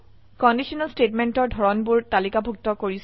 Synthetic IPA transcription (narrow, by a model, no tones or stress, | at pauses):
kɔndisɔnalstetmentɔɹdʱɔɹɔnbʊɹtalikabʱuk̚tɔkoɹis